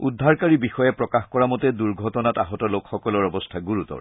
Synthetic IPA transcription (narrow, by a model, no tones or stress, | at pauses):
udʱːaɹkaɹibixɔjɛpɹɔkaxkɔɹamɔtɛduɹɡʱɔtɔnataɦɔtɔlokxɔkɔlɔɹɔbɔstʰaɡuɹutɔ̰ɹ